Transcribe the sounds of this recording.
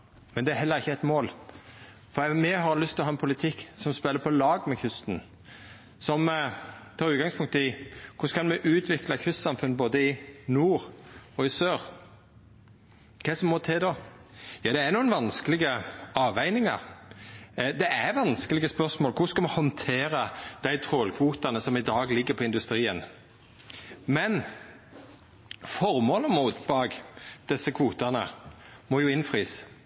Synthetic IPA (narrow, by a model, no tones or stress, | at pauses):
mɛnd̪ɛæɦɛlːəɾɪçːəæɪt̪moːl | fɔd̪ɛmɛɦɑɾlʏst̪ʰɪlɔɦɑːɛnpʰʊlɪt̪ʰɪkːsɔmspɛlːəpʰɔlɑːɡmɛçʰʏst̪n̩ | sɔmt̪ʰɑːɾʉːt̪̚ɡɑŋspʰʊŋkt̪əɪkʰʊskɑnmɛʔʉːt̪ʰʋɪklɑkʰʉst̪sɑmfʉnboːd̪əɪnuːɾɔɪsøːɾ | kʰɛsɔmːɔt̪ʰɛd̪oːjɑːd̪ɛæɾnuːənʋɑnskəlɪɡəɑːʋæɪnɪŋɑ̰ɾ | d̪ɛʔæʋɑnskəlɪɡəspœɾsmoːlkʰʊskɑmɑhɔnt̪ʰeːɾəd̪̥æɪt̪ʰɾoːlkʰʋuːt̪ɑnəsɔmɪd̪ɑːɡlɪɡːəpʰɔɪnd̪ʉst̪ɾiːən | mɛn | fɔɾmoːləmuːt̪bɑːɡd̪̥ɛsːəkʰʋuːt̪ɑnə̰mɔjʊɪnfɾiːs